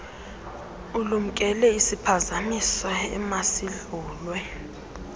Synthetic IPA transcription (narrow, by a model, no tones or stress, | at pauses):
ulum̩kʼɛlɛisipʰazamisɔɛ̰masiɮuːlwɛ